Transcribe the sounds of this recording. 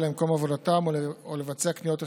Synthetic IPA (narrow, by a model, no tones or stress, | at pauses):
lemko̞mavo̞datamoole̞vat͡seaknijo̞te